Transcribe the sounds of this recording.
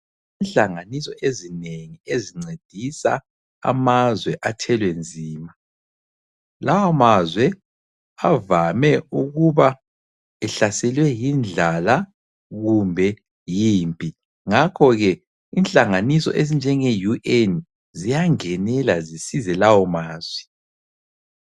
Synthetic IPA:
inɬaŋanisɔʔezineŋieziŋ͡ǀed̥ʱisa̰ | a̰mazwɛʔatʰɛlwend͡zʱiːma | lawamazwɛ | avamɛuɣuβa | ɛɬasɛlwɛjind͡ɮʱala | ɣumbʱɛ | jiːmpʼi | ŋakʰɔɣɛ | inɬʼaŋanisɔ̰ʔezind͡ʒʱɛŋejuʔɛn | zijaŋɛnɛlazisizɛlawɔmaːz̥wɛ

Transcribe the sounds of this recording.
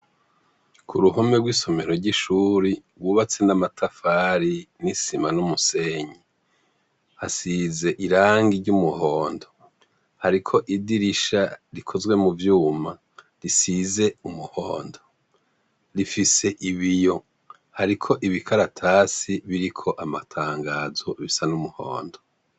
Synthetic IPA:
kʰuɾuɦome̞ɡwiːso̞me̞ɾo̞ɾɟiʃuːɾiɡwuːβat͡se̞namatʰafaɾinisimanumuse̞ːɲi | hasize̞ʔiɾaːŋɡiɾɟumuho̞ːndo̞ | haɾikʰo̞ʔidiɾiʃaɾikʰo̞zwe̞muvjuːma | ɾisize̞umuhoːndo̞ | ɾifise̞ʔiβijo̞ | haɾikʰo̞ʔiβikʰaɾatʰaːsiβiɾikʰo̞ʔamatʰaːŋɡaːzo̞βisanumuho̰ːndo̞

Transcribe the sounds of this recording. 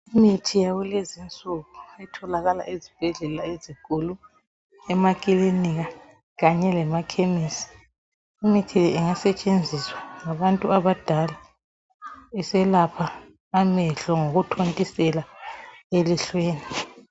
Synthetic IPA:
imitʰijawulezint͡sʼuɣuɛtʰɔlaɣala̰ʔezib̥ʱɛɮɛlaezikʼulu | ɛmakʼiliniɣa | ɣaɲɛlɛmakʰemisi̥ | imitʰilɛɛŋasɛt͡ʃʼend͡zʱiswaŋaβantʼuaβad̥ʱala | isɛlapʰaː | mɛɬɔŋoɣutʰontʼisɛlaeliɬweːni

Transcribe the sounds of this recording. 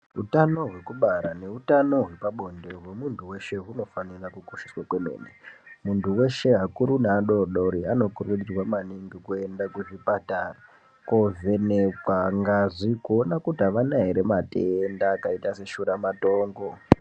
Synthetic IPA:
utano̞ɦwe̞kuɓaɾane̞utano̞ɦwe̞paɓo̞ndeɦwe̞muntuwe̞ʃe̞ɦuno̞fanirakukoʃi̥swakwe̞mḛːnemuntuwe̞ʃe̞ɦakuɾunaɗo̞ɗoɾiano̞kurweɗirwamaniŋɡikue̞ndakuvipatara | ko̞ve̞nekwaŋɡaʐikuonakutaʋanaɦiɾe̞matendaːkaitase̞ʃuɾamato̞ːŋɡo̞

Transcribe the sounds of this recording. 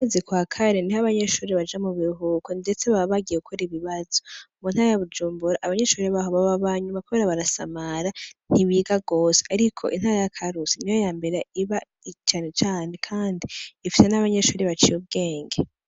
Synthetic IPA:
awezikwaːkʰaɾe̞nihaβaɲe̞ʃuːɾiβad͡ʒamuβiɾuɦukonde̞t͡se̞βaββaɡieukʰoɾiβiβaz̥omun̥haɾajaβud͡ʒuːmbuɾaʔaβaɲe̞ʃuːɾiβaɦoβaβaβaɲumakuβe̞ːɾaβaɾasa̰maɾan̥iβiːɡaɡo̞ːseaɾikʰo̞ʔḭn̥haːɾajakʰaɾusinijojaːmbe̞ɾeiβa | t͡ʃaːne̞t͡ʃaːne̞kʰaːndiːfi̥se̞naβaɲe̞ʃuːɾiβat͡ʃijub̚ɡe̞ːŋɡe

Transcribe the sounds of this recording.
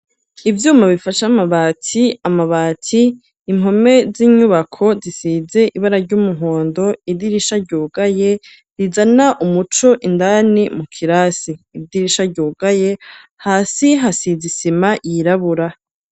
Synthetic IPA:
ivjuːmaβifaʃamaβatʰiamaβaːtʰiː | m̥ɦo̞me̞ziɲuβakʰo̞zisize̞ʔiβaɾaɾɟuːmuɦoːndo̞idiɾiʃaɾɟuːɡaje̞ | ɾizanaʔumut͡ʃo̞ʔindanimukʰiɾaːsiːdiɾiʃaɾɟuːɡ̥aje̞ | haːsiɦasizisimajiɾaβuɾa

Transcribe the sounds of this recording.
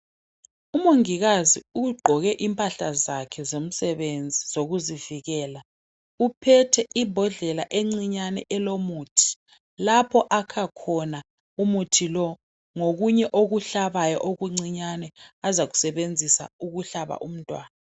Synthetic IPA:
umoŋiɣaziuɡ͡ǃʱɔɣɛʔimpʼaɬazakʰɛzom̩sɛβend͡zʱizoɣuziviɣɛːla | upʰɛtʰɛʔibʱɔɮɛlaʔeŋ͡ǀiɲanɛʔɛlomuːtʰi̥ | lapʰɔʔakʰakʰɔna | umutʰilɔ | ŋoɣuɲɛʔoɣuɬaβajɔ̰ʔoɣuŋ͡ǀiɲanɛazaɣu̥sɛβend͡zʱisa̰uɣuɬaβa̰ʔum̩tʼwaːna

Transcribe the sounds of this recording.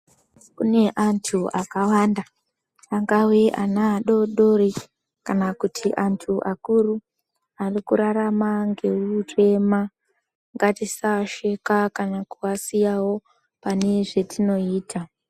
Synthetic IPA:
kune̞ʔantʰuakawanda | aŋɡaweʔanaɗo̞ɗo̞ɾe | kanakutʰiʔantʰuʔakuru | arikuɾaɾamaŋɡe̞ure̞ma | ŋɡatisaʃe̞kakanakuasijawo̞ | pane̞ʐe̞tʰino̞iːtʰa

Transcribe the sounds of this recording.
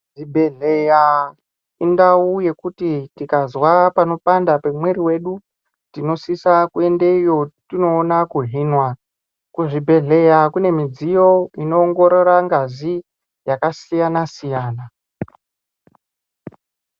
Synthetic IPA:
ʐibʱeɮeja | indauje̞kutitikazwapano̞pandape̞mweɾiwe̞ɗu | tino̞sisakue̞ndeijo̞tino̞ːnakuɦinwa | kuʐibʱe̞ɮe̞jakune̞mid͡zijo̞ino̞ːŋɡo̞ɾo̞ɾaŋɡazi | jakasijanasijaːna

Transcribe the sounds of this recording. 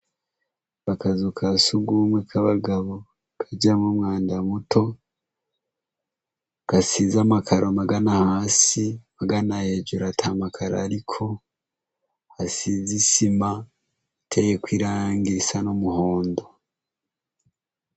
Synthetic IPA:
βakazukʰasuɡuːmwekʰaβaɡaβo | kʰaɟamwomŋaːndamutʰo̞ | kasizamakʰaɾʔomaɡanahaːsimaɡanajeɟuɾatʰamakʰaɾa̰ɾikʰo̞ | hasizisima | tʰejekwiːɾaːŋɡisanomuho̞ːndo̞

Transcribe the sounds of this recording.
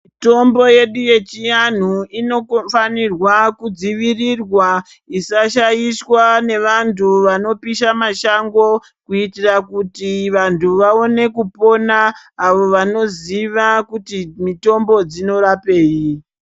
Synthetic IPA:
mito̞mbo̞je̞ɗuje̞t͡ʃijan̤uino̞kofanirwakud͡ziʋirirwa | isaʃajiswane̞ʋantʰuʋano̞piʃamaʃaŋɡo̞ | kuitirakutiʋantʰuʋao̞ne̞kupo̞naːʋo̞ʋano̞ziʋakutimito̞mbo̞d͡zino̞ɾape̞ːji

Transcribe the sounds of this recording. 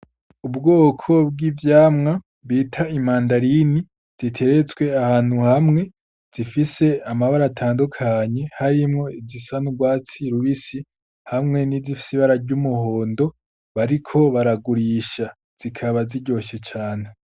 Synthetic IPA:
ubɡo̞ːkʰo̞b̚ɡivjaːmŋa | βiːtʰaimaːndaɾini | z̥itʰe̞ɾe̞t͡sɡwe̞ahaːn̥huhamŋe̞ | z̥ifise̞amaβaɾatʰaːndukʰaɲe̞haɾimŋo̞izisanuɡwaːt͡siɾuɾisi | hamŋe̞nizifi̥siβaɾaɟumuho̞ːndo̞ | βaɾikʰo̞βaɾaɡuɾiʃa | z̥ikʰaβaziɟo̞ʃet͡ʃaːne̞

